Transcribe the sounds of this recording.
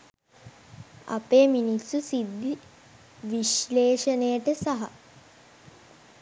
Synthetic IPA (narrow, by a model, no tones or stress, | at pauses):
ɐ̰peːminisːusid̪ːi | ʋiʃleːʂənəjəʈəsaɦa̰